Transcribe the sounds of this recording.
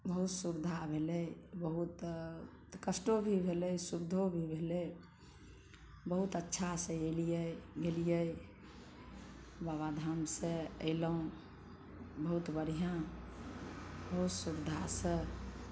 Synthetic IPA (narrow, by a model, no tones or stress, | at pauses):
bəɦut̪suɾd̪ʱabʱeləbəɦut̪ | kəsʈobʱibʱeləjsubd̪ʱobʱibʱelɛ | bəɦut̪ətːʃʰasə̃elijəɡelijəj | baβad̪ʱamsə̃ə̰ɪləũ | bəɦut̪bəɽ̤ijã | bəɦut̪suɾd̪ʱasə̃